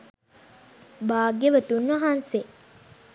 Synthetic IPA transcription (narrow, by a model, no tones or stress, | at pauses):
baːɡeʋət̪unʋɐɦanse